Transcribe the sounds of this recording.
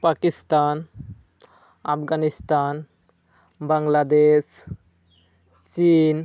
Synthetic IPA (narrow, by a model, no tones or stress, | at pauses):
pakist̪an | apʰɡanist̪an | baŋlad̪es | t͡ʃin